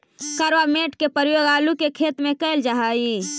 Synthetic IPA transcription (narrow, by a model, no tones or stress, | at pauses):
kəɾʋameːʈkepəɾjoːɡaːlukekʰeːt̪mẽkəɪld͡ʒaɦaːiː